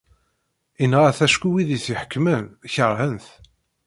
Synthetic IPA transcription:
inʁæθæʃkʷiwiðiθiħə̥kːməmçəɾˤhənθ

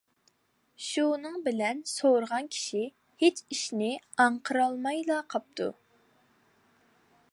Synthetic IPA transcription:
ʃunɨŋbɪlɛnsoɾəʁɑnkʲʰi̥ʃi | het͡ʃiʃnɪɑɴqʰəɾɑlˠmɑjlˠɑqʰɑp̚t̪ʰṵ

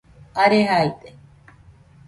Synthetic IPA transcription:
aɾeɦajt̪e

